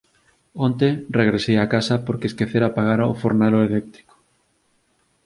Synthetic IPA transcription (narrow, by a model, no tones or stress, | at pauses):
ont̪ereɣɾesejakasɐpoɾkeskeθeɾapaɣaɾao̰foɾnaloelɛk̚t̪ɾiko̥